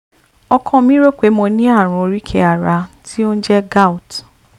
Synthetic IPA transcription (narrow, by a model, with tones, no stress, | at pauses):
ɔ˧kʰɔ̃˦˨mĩ˦ɾo˦k͡pe˨˦mõ˧nĩ˦a˦˨ɾ̃ũ˧o˧ɾi˦kʰe˧a˨ɾa˧tʰi˦o˦ñ̩˦d͡ʒɛ˦ɡa˦u˨t